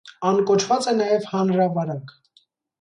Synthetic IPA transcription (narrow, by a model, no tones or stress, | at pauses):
ɑnkɔt͡ʃʰvɑt͡sɛnɑjɛvhɑnɾɑvɑɾɑk